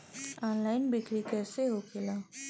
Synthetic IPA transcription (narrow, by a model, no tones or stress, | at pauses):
ɔːnlaːɪnbɪkɾikɛːseɦokʰelaː